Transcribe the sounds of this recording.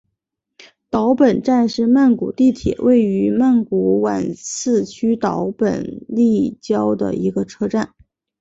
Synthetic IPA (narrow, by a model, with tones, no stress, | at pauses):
t̪ɑ˧˥ʊpə˨˩nʈ͡ʂa˥˧nʂɻ̩˥˧ma˥˩nku˨˩t̪i˥˩t̪ʰjɛ̰˨˩wʔe˥˩ɪy˧˥ma˥˩nku˧˥wa̰˨˩nsɹ̩˥˩t͡ɕʰy˥t̪ɑ˧˥ʊpə̰˨˩nli˥˩t͡ɕjɑ˥ʊd̪ə̰˨i˧˥ɡə˧ʈ͡ʂʰɤ˥ʈ͡ʂa˥˩n